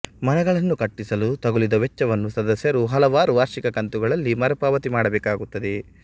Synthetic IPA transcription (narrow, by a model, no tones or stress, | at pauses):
mɐnɛɡɐɭɐnːukɐʈːisɐlut̪ɐɡulid̪ɐʋɛt͡ʃːɐʋɐnːusɐd̪ɐsjɐɾuɦɐlɐʋaːɾuʋaːɾʂikɐkɐnt̪uɡɐɭɐlːimɐɾɐpaːʋɐt̪imaːɽɐbɛːkaːɡut̪ːɐd̪e